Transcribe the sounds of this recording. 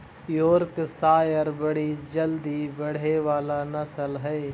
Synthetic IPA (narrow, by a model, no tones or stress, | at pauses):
joːɾksaːjəɾbəɽid͡ʒəld̪ibəɽ̤eʋaːlanɐsəlɦɛː